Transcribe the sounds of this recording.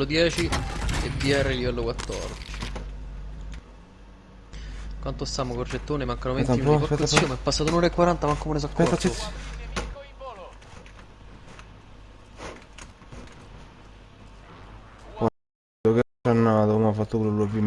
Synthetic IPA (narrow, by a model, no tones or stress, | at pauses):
od̪jɛːt͡ʃiḛbiɛrːelivɛlːokwat̪ːɔ̰rd̪it͡ʃi | kwant̪ost̪amokort͡ʃet̪ːoːnemaŋkanomet̪ːaiɛt̪somepːasːaːt̪onoːɾaekːwaɾant̪amaŋkːomunes̬akːɛɔ | kwa | oket͡ʃːanːat̪okomafːat̪ːokulolopːim